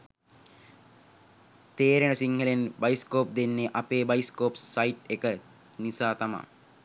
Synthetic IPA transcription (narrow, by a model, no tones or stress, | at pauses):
t̪eːɾenəsiŋhəlenbajiskoːp̚d̪enːeʔapeːbaiskoːpsajt̪ekə | nisaːt̪ama̰ː